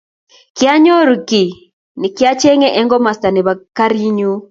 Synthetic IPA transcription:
kɪ˦a˦ɲɔ˦ɾu˨ki˨ | nɪ˨kɪ˦a˦t͡ʃɛ˦ŋɛ˦ʔɛ˦ŋɡɔ˦ma˨sta˨nɪ˨βa˨ka˦ɾi˦ɲu˦

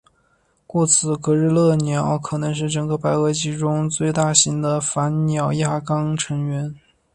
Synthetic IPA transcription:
kwɔ˥˩t͡sʰɹ̩˧˩kɤ˧˥ɻ̩˥˧lɤ˥˩njɑ˨˩˦ʊkʰɤ˨˩nɤ˧˥ŋʂ̬ɻ̩˥˩ʈ͡ʂɤ˨˩ŋɡə˧˥pa˧˥ɪɤ˧˥t͡ɕi˧˥ʈ͡ʂʊ˥ŋt͡swe˥˧ɪt̪a˥˩ɕi˧˥ŋd̪ə˧fa˧˥nnjɑ˨˩ʊja˥˩kɑ˥ŋʈ͡ʂʰɤ˧˥ŋɥɛ˧˥n

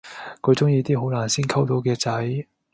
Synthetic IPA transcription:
kʰɵ˨˧ɥt͡sʊ˥ŋjiː˧t̪iː˥ɦo˨˥wnlaː˨˩nsiː˥nkʰɐ˥wt̪o˨˥wkɛː˧t͡sɐ˨˥j

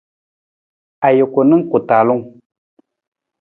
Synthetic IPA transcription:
a˨jo˨ko˨nɨ˦ŋ˦ku˨ta˨lu˦ŋ

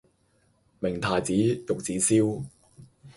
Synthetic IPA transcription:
mɪ˨˩ŋt̪ʰaː˨jt͡siː˨˥jʊ˨k̚t͡siː˨˥siː˥w

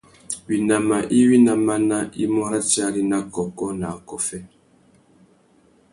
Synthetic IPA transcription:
wi˨na˨ma˨ʔi˦wi˦na˨ma˦na˦i˦mɔ˦ɾa˦t͡ʃa˦ɾi˦na˦kɔ˨kɔ˦na˨kɔ˨fɛ˦

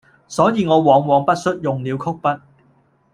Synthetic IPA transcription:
sɔː˨˥jiː˨˧ŋɔː˨˧wɔː˨˧ŋwɔː˨˧ŋpɐ˥t̚sɵ˥t̚jʊ˨ŋliː˨˧wkʰʊ˥k̚pɐ˥t̚

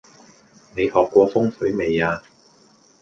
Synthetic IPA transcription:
ne˨˧jhɔː˨˩kːʷɔː˧fʊ˥ŋfɵ˨˥jme˨jaː˧

